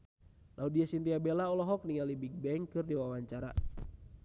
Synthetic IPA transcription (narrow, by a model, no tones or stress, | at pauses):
laudiasint̪iabɛlaɔlɔɦɔk̚niŋalibik̚bɛŋkɨrdiwawaɲt͡ʃaɾa̰